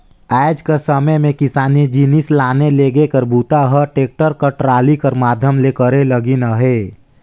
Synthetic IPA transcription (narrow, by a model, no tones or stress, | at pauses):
ɛːd͡ʒkəsəməjmẽkɪsaːnid͡ʒinislaːneleːɡekəɾbuːt̪aɦɛʈeːk̚ʈəɾkəʈɾaːlikəɾmaːd̪ʱjəmlekəɾeləɡinaɦeː